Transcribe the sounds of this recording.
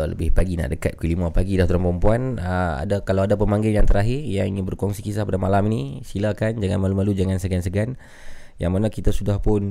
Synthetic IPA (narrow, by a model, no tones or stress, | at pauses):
lə̰bɪhpaɡina̰ʔdəka̰t̪̚kəlimapaɡidaht̪əɾəmpɾəmpuanəa̰dakalawadap̬əmaŋɡɪljaŋt̪əɾaɦɪrjaŋiŋɪnbərkɔŋsikisapadamalaminisilakand͡ʒaŋanmalumalud͡ʒaŋansəɡansəɡan | ja̰ŋmanakit̪asudahpʊn